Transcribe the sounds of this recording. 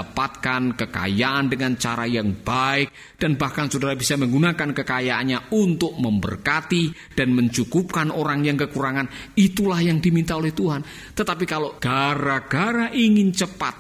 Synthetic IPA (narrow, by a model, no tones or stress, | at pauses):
apat̪̚kankəka̰jaʔandəŋant͡ʃaɾajaŋb̥aɪk̚ | d̥anbahkansodaɾabisaməŋɡunakankəkajaʔanɲaunt̪ʊk̚məmbə̰rkat̪i | d̥anməɲt͡ʃukup̚kanʔoɾaŋjaŋkəkuɾaŋanit̪ulahjaŋdimint̪aolɛht̪uɦan | t̪ət̪apikaloɡ̥aɾaɡ̥aɾaʔiŋɪnt͡ʃəpa̰t̪̚